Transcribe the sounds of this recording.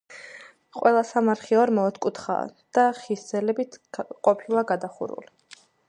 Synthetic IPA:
qʼwɛlˠasamaɾχiɔɾmɔːt̪ʰkʼut̪ʰχa̰ːd̪̥aχisd̪z̥ɛlɛbit̪ʰqʼɔpʰilˠaɡad̪aχṵɾṵli

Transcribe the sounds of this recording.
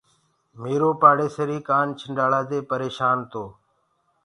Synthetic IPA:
meːɾoːpaːɽeːsəɾiːkaːnt͡ʃʰəɳɖaːɽaːd̪eːpəɾeːʃaːnt̪oː

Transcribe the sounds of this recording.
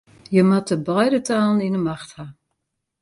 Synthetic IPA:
jəmatəbajdətaːlˠəninəmaχtha

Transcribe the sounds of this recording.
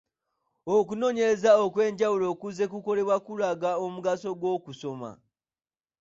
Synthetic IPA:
okuno̞ːɲe̞ɾe̞zaokwe̞ːɲɟawulo̞kuze̞kuko̞le̞βwakulaɡaomuɡaso̞ɡwo̞ːkuso̞ma̰

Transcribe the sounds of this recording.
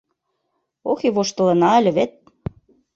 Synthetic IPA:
oxeβoʃt̪ɤ̆lɤ̆nɑælʲɘ̆βet̪̚

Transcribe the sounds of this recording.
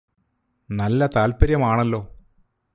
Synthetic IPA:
nɐlːɐt̪aːlpɐɾjɐmaːɳɐlːo̞ː

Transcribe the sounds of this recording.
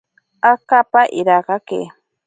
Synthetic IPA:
akapaʔɪɾɑɢɑkḛ

